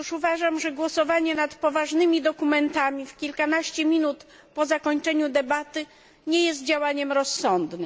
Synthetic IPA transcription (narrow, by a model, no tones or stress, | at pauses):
juʂuvaʐamʐɛɡwɔsɔvaɲɛnat̪pɔvaʐnɘmʲid̪ɔkumɛnt̪amʲifkʲilkanaɕt͡ɕɛmʲinut̪ | pɔzakɔɲt͡ʂɛɲud̪ɛbat̪ɘ | ɲɛjɛst̪̚d͡ʑawaɲɛmɾɔsːɔnd̪nɘm